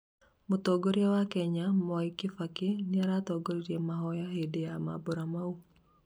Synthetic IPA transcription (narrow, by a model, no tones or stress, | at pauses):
mʊt̪oɡoɾjawakɛɲamɔikɪfakɪnɪaɾat̪ɔɡoɾiɾemaɦɔjaɦedeama̰boɾamau